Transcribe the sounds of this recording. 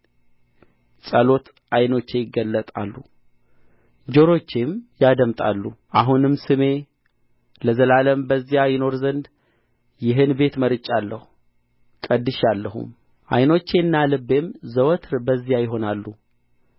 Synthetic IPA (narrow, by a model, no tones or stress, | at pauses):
sʼəlo̞t̪ | ajno̞t͡ʃːe̞jɪɡːəlːət̪ʼa̰lːu | d͡ʒo̞ɾo̞t͡ʃːemjad̪əmt̪ʼa̰lːuʔaɦunɨmsɨme̞ | ləzəlaləmbəzːijajɪno̞ɾzənd̪ | jɪɦɨnbe̞t̪məɾɨt͡ʃʼːalːəhu | kʼəd̪ːɨʃalːəɦṵm | ʔa̰jno̞t͡ʃːe̞nːalɨbːe̞mzəwt̪ʰɾbəzːijajɪɦo̞nalːu